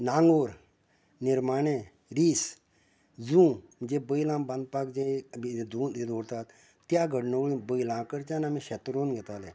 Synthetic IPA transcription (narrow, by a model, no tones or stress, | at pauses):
naːŋɡoːɾ | nɪɾmaːneː | ɾiːs | zũːd͡ʒeːbəilãːbɐnd̪̚paːkd͡ʒẽid̪uːd̪id̪oːɾt̪aːt̪ | t̪jaːɡəɖnoɡlĩbəilãːkəɾt͡ʃaːnamẽʃet̪ɾoːnɡet̪aːleː